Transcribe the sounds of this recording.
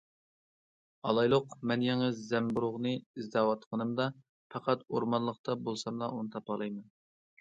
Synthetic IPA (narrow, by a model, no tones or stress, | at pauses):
ɑlˠɑjlˠʊqmɛnjeŋɨzzɛmbuɾʊʁnɨizd̪ɑːwɑt̪qʰənɨmd̪ɑ | pɑqɑt̪oɾmɑnlˠəqt̪ɑbolˠsɑmlˠɑunɨt̪ʰɑpɑlˠɑjmɛn